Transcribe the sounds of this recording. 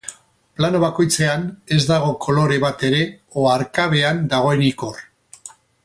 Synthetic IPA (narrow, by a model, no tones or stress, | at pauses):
plano̞βako̞jt͡se̞ane̞zd̪aɣ̞o̞kʰo̞lo̞ɾe̞βat̪e̞ɾe̞oaɾkaβ̞e̞and̪aɣ̞o̞e̞nikor